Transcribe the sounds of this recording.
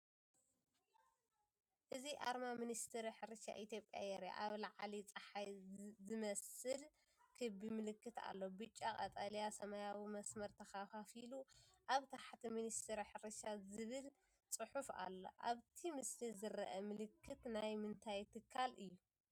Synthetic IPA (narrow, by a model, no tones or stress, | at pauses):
ʔɨziʔa̰ɾmaminist̪ʰɨɾiħɨɾɨʃa̰ʔit̪ʰjo̞pʼja̰jɛɾja̰ʔaβlaʕalit͡sʼɐħajzɨmɐsɨl | kʰɨbimɨlɨkːɨt̪a̰lːo̞bɨt͡ʃʼːakʼɐt̪ʼalijasɐmajawimɐsmɐɾt̪ʰɐxafafiluʔaβt̪ʰaħt̪ʰiminist̪ʰɨɾiħɨɾɨʃazɨβɨl | t͡sʼɨħufa̰lːo̞̰ʔa̰βt̪ʰimɨslizɨɾɐʔɐmɨlɨkʰːɨt̪najmɨnt̪ʰajt̪ʰɨkʰːalɨjːu